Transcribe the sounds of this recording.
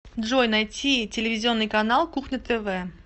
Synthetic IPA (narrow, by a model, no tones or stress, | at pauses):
d̪ʐojnɐjtʲitʲɪlʲɪvʲɪzʲɪo̞nːɨjkɐnalˠkuxnʲət̪ʰɛvɛ